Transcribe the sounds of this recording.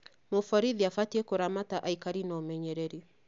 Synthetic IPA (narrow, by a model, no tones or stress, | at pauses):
mofɔɾiðiafatiekoɾamataʔaikaɾinɔmɛɲɛɾɛɾi